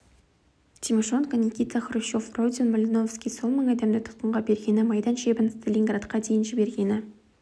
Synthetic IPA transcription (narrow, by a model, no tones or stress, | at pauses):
t̪ʰʲimʲiʂonkənʲikʲit̪aχɾuʃo̞frod̪ʲɪnmolʲɪnofskʲijso̞nməɴɑd̪emd̪ɪt̪ʰʊ̥t̪̚qəɴʁɑbe̞ɾɡʲe̞nɪmɑjd̪ɑnʃe̞bɪnst̪ʰelʲiŋɡrat̪qɑd̪ejɪnʒɪbe̞ɾɡʲe̞nɪ